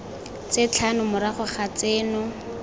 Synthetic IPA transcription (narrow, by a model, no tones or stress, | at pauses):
t͡set͡ɬʰanʊmʊɾaχʊχat͡seːnʊ